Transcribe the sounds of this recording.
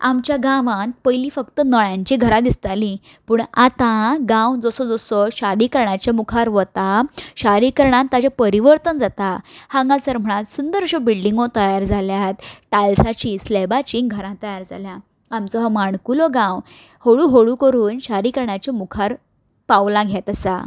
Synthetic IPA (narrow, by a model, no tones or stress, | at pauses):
amt͡ɕjaɡãʋãnpəjliːfəkt̪ənəɭjãɲt͡ɕiɡʱəɾad̪ist̪ali | puːɳat̪aɡãwd͡zɔsɔd͡zɔsɔɕaɾikəɾɳat͡ɕamukʰaɾʋət̪aɕaɾikəɾɳãnt̪at͡ɕapəɾiʋəɾt̪ənd͡zat̪ahãŋɡãt͡səɾm̤əɽ̃at̪sund̪əɾɕɔbiɭɖiŋɡot̪əjaɾd͡zaljat̪ʈalsat͡ɕislebat͡ɕĩŋɡʱəɾãt̪ːəjaɾd͡zalja | amt͡sɔɦamaɳkuloɡãw | hoɽuɦoɽukəɾuːnɕaɾikəɾɳat͡ɕemukʰaɾ | paʋlãɡʱjat̪əsa̰